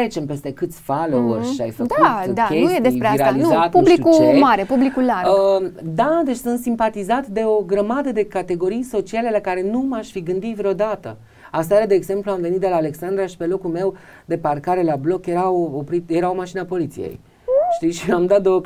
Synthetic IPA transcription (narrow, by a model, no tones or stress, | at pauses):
ɾet͡ʃe̞mpe̞st̪e̞kɨt̪sʲfalouɾʃia̰jfək̪uɨnd̪ake̞nujjed̪esɾeaɾealizat̪ubliukut͡ʃemaɾepublikulaɾəd̪ad̪e̞t͡ʃʲsɨnt̪simpat̪izat̪d̪e̞o̞ɡɾəmad̪əd̪e̞kat̪e̞ɡo̞ɾijso̞t͡ʃiale̞lakaɾe̞numaʃfiɡɨnd̪it̪vɾeo̞d̪at̪ə | as̬t̪ajaɾad̪e̞ːɡze̞mpluamve̞nit̪̚d̪e̞laːle̞ksand̪ɾaʃi̥pe̞lo̞kulme̞w | d̪e̞parkaɾe̞lablo̞kje̞ɾaopɾit̪jeɾaomaʃinapo̞lit̪sijḛj | ʃt̪iʃiamd̪at̪̚d̪o